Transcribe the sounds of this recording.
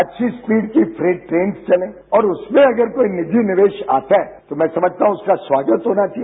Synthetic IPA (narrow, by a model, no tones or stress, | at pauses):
ɐtːʃʰispiːɖkifʰɾeːʈʈɾeːnst͡ʃɐlẽː | ɔːɾʊsmẽɐɡəɾkoːinɪd͡ʒʱinɪʋeːʃa̰ːt̪aɦɛt̪omɛ̃ːsɐməd͡ʒʱt̪aːɦũʊskaswaːɡət̪ɦoːnat͡ʃʰiɛ